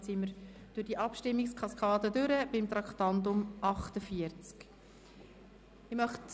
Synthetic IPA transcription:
t͡sɪməɾd̥øɾd̥iʔɑpʃtɪmːɪkskʰɑskʰɑːdədøɾəb̥ɪmt̪ɾɑkχt̪ɑnt̪ʊmʔɑχtəfiəɾt͡sk | ɪmœχt

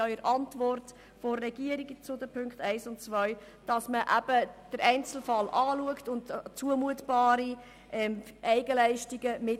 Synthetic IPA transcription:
œʏəɾʔɑntʋɔrt | fɔːɛɡ̥iəɾiɡət͡sʊdəpʰʏŋkχtæɪsʊnt͡svœʏ | d̥ɑsməʔæb̥əd̥əɾɛɪnt͡sl̩fɑlʔɑːluəktʊntt͡suəmuətb̥ɑːɾi | ʔɛmʔɛɪɡəlæɪʃtiɡəmɪ

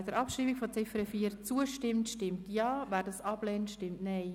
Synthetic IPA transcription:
d̥əɾʔɑpʃɾiːmikfɔt͡sɪfɾəfiːəɾt͡suəʃtɪmtʃtɪmtjɑːvæːɾdɑsɑb̥lɛːnʃtɪmtnɛɪ

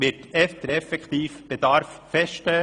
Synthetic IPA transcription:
ʋɪtɛft̪əɾɛfɛkʰt̪iːfb̥ed̪ɑɾffɛstɛ

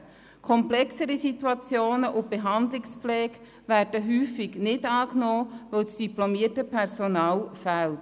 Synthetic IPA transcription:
kʰɔmplɛksəɾisit̪wuɑt͡sjoːnəʔʊb̥eɦɑnd̪lɪksplɛːɡ | værd̥əɦyːfiɡnɪdɑːknoːʋœlsd̥iplomiətəpʰɛɾsonɑːlfælt

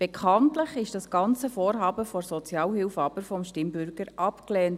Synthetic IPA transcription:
b̥ekʰɑntləχɪʃd̥ɑsɡ̥ɑnt͡səfoːɾɦɑːbəfɔɾsɔt͡sjɑːlhɪlfɑbəɾfɔmʃtɪmbʏɾɡəɾʔɑpklɛːnt

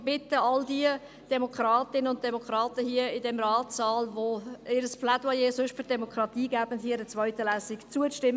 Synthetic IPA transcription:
b̥ɪtəɑldiə | d̥ɛmokʰɾɑːtɪnəʊnt̚d̥ɛmokʰɾɑːtəhiəɪdɛmɾɑːtsɑːlʋoɪɾəspladwɑjeːsɵʃtfʏɾdɛmokɾɑtiːɡæːb̥ənthiːədət͡sʋœʏtəlæːsɪkt͡suət͡sʃtɪmː

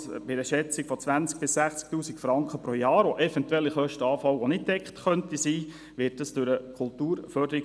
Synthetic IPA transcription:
bɪdəʃɛt͡sikfɔt͡sʋænt͡sk̚b̥ɪsːæχt͡sk̚tuːsikfɾɑŋkχəpɾojɑːɾoʔɛfɛntwɛlːiχœʃtəɑːfɑwonɪt̚d̥ɛkχtχœntisiː | ʋɪːtdəsd̥ʉɾəkʰʊltuːɾfœrdəɾi

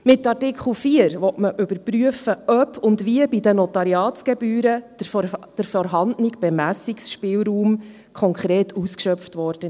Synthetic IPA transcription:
mɪtːɑrtɪkʰχl̩fiːəɾʋɔtməʔʏbəɾpryəfəʔœpʰʊndʋiəbidənɔtɑɾiɑːtɡ̥ɛbyːɾə | d̥əɾfɔɾɦɑndnɪkb̥ɛmæsiksʃpɪːlɾuːm | kʰɔŋkχɾɛːtʰuːskʃœpftʋɔɾd̥ə

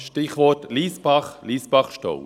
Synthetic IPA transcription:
ʃtɪχʋɔtliːsbɑχliːsb̥ɑχʃtɔ̰w

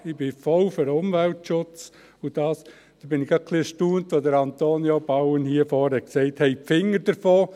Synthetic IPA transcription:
ɪbɪfɔlføɾʊmvæltʃʊt͡s | ʊd̥ɑːs | d̥̪əbɪnɪɡ̥ɑkʰliəʃtuːntʋodəɾɑnt̪oːnjob̥ɑʊənhiːəfɔːɾhɛksɛɪthɛɪpfɪŋːəɾd̥əɾfoː

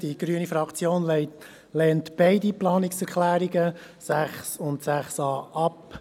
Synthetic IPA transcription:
d̥iɡ̥ɾyənifɾɑkt͡sjoːnlɛɪ | lɛːntb̥ɛɪdiplɑːnɪksɛklæːɾiɡə | sæχsʊntsæχsɑːʔɑp

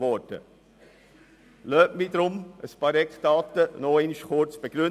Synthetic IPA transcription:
vɔtə̰ | løːʔmidɾʊməspɑɾɛkd̥ɑːt̪ənoeːniʃkʰʊɾt͡sb̥eɡ̥ɾʏ

